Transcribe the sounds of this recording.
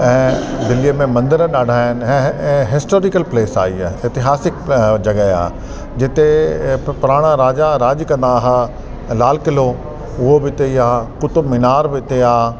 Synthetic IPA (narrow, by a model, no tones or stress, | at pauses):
ɛ̃ːd̪ɪlijəmẽmɐ̃nd̪əɾɗaːɖʱaːɪn̆ɛ̃ɛ̃ːɦɪsʈoːɾɪkəlpleːsa̰ːiːa̰ːɪt̪ɪɦaːsɪk̚d͡ʑɐɡəa̰ː | d͡ʑɪt̪epʊɾaːɽ̃ãɾaːd͡ʒaɾaːd͡ʒkɐ̃nd̪aːɦa | laːlkɪlo | ʊɦobɪt̪eiaːkʊt̪mɪnaːɾbɪt̪eaː